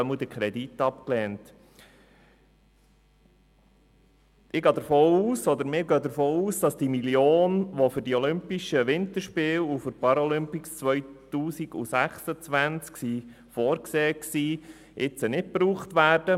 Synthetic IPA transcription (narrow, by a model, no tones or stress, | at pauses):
œməd̥̪əkʰɾɛdit̪ːɑp̚klɛːnt | ʔɪɡɑːd̪əɾfoːuːsɔd̪əɾmɪːɾɡøːd̪əɾfoːuːsd̥ɑsd̥imiljoːnʋɔfʏɾdiɔlʏmpiʃəʋɪnt̪əɾʃpɪːlufʏɾpɑɾɔlʏmpist͡sʋœjt̪uːsiɡ̥ṵsæχsət͡sʋænt͡sksi | fɔːɾkseːksiː | ʔɪt͡sənɪt̚pɾuːχt̪ʋæːɾd̥ə